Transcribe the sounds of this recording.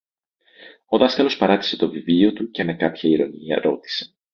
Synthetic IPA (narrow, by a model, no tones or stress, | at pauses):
o̞ðɐskɐlospɐɾɐt̪i̥se̞t̪o̞vivlio̞t̪uce̞me̞kɐpçɐiɾo̞̰niɐ̰ɾo̞t̪i̥se̞̥